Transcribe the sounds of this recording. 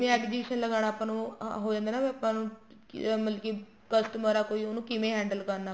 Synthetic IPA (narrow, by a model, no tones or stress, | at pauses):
mẽɛkd͡ʒiʃənləɡaːɽ̃aːpãːnũɦoːd͡ʒãːnd̪aːnaːʋəpãːnũː | məlki | kəsʈəməɾaːkoːiːoːnũːkɪmẽɦɛ̃ːɳɖəlkəɾnaː